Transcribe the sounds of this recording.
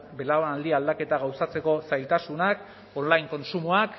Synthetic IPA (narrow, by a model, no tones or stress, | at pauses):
be̞laonald̪iald̪ake̞t̪aɣ̞awsat͡se̞ko̞sajlt̪asunak | onlajŋko̞nsumuak